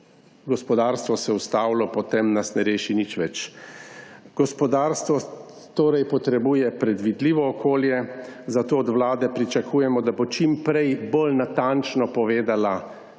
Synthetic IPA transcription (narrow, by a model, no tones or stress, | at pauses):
ɡɔspɔd̪aːɾst̪ʋɔsɛust̪awlɔpɔt̪emnasnɛɾeːʃinit͡ʃʋɛt͡ʃ | ɡ̥ɔspɔd̪aːɾst̪ʋɔ | t̪oːɾɛjpɔt̪ɾɛbuːjɛpɾɛd̪ʋid̪liːʋɔːkʰoːljɛzat̪oːd̪ʋlaːd̪ɛpɾit͡ʃakʰuːjɛmɔd̪abot͡ʃimpɾɛjbolnat̪ant͡ʃnɔpɔʋeːd̪ala